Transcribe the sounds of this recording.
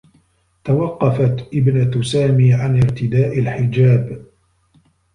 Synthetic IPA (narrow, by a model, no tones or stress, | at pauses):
t̪awɑqːɑfat̪ʔɪbnat̪saːmiːʕanɪɾt̪ɪd̪aːʔalħɪd͡ʒaːb